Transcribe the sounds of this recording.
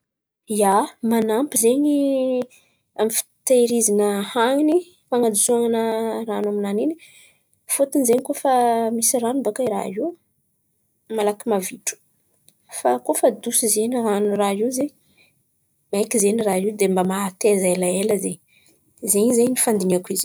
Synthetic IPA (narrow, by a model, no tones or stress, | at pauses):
jamanampizeɲi | amifi̥t̪aɾizinəhaŋni | faŋad̪isuaŋanəranaminanini | fot̪inzeɲkofamisiranumbakaiɾa̰ɦiw | malakimaviʈ͡ʂu̥ | fakofəd̪usizeniranuraɦiwzeɲ | maekizeniraɦid̪embamaat̪ezelaeləzeɲi | zeɲizeɲnifand̪iniakuiz